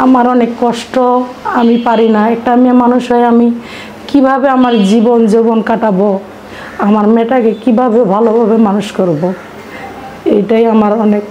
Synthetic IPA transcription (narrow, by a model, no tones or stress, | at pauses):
amaɾɔnekːɔʃʈɔ | amipaɾinaɛk̚ʈamamanuʃɦɔeami | kibʱabeamaɾd͡ʑibond͡ʑibɔnkaʈabo | amaɾmɛʈakekibʱabebʱalobʱabemanuʃkoɾbo | ejʈajamaɾɔnek